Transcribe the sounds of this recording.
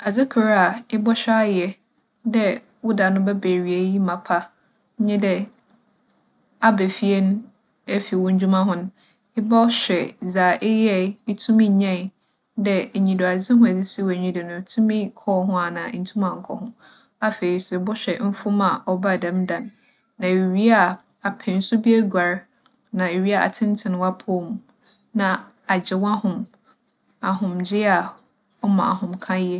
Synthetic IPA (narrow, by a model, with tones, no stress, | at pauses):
a˨d͡zɪ˦kʰʊ˨ɾa˦a˨ɪ˦bɔ˦ɕᶣa˦jɛ˦ | dɛ˦ | wʊ˦da˨nʊ̃˦bɛ˦be˨ɾi˨e˨ji˦mã˨pʰa˦ | ɲɪ̃˦dɛ˨ | a˦bɛ˨fi˦ɛ˦nʊ̃˦ | ɛ˦fi˨wɔ̃˦ɲ̩˦d͡ʑᶣu˦mã˦ɦʊ̃˦nʊ̃˦ | ɪ˦ba˦ɕᶣɛ˨d͡zaː˨ʔɪ˦jɛ˦ɪ˦tʰũ˦mĩ˦˨ɲã˦˨ | dɛ˦˨ɲĩ˨dɔ˨a˨d͡zɪ˦ɦʊ̃˦æ˨d͡zɪ˦si˦wɲĩ˦dɪ˨nʊ̃˨tʰũ˦mĩ˦kʰɔː˦ɦʊ̃˦a˨nã˨ɲ̩˨tʰũ˦mã˨ŋ̩˨kʰɔ̰˨hʊ̃˦ | a˦fe˨i˨sʊ˨bʊ˦ɕᶣɛ˨m̩˦fʊ̃˦ma˨ɔ˦ba˦˨dã˨˦mdã˨nː | ã˨i˨ɥi˦a˦˨ | a˨pʰɛ̃˨n̩˦sʊ˦bi˦e˦ɡʷa˨ɾ | nã˨e˨ɥi˦a˨a̰˨tʰɪ̃˦n˦tʰɪ̃˨ñ˨wa˦pʰʊ˦˨m˨ | nã˨ | a˨d͡ʑɪ˨wã˦hʊ̃˨m | a˨ɦʊ̃˨md͡ʑɪ˦a˨ | ɔ˦mã̰˨a̰˨hʊ̃˨mkʰã˦jɛ˦